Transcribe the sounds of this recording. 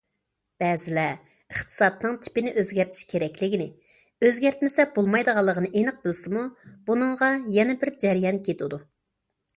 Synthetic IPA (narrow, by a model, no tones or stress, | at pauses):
b̥ɛːzɪlɛ | əχt̪ʰɨ̥sɑt̪nɨŋt̪ʰɪ̥pɪnɪʔøzɡʲæɾt̪ʰi̥ʃkʲʰeɾɛkʲlɪɡʲinɪ | øzɡʲæɾt̪mɪsɛb̥olˠmɑjd̪əʁɑlˠːəʁənɨʔenɨq̚bɪlsɪmub̥unɨŋʁɑjɛnɛbɪɾd͡ʒɛɾijɑnkʲʰet̪ʰud̪u